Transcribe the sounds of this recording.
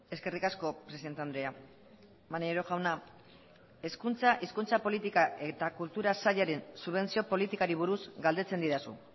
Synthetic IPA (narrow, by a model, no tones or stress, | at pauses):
e̞ske̞rikasko̞pɾe̞siðet̪eand̪ɾe̞a | manieɾoxawna | e̞skunt͡saʔiskunt͡sapo̞lit̪ikae̞t̪akult̪uɾasaʎaɾe̞nsuβe̞nt͡sio̞po̞lit̪ikaɾiβ̞uɾuzɡald̪e̞t͡se̞nd̪iðasṵ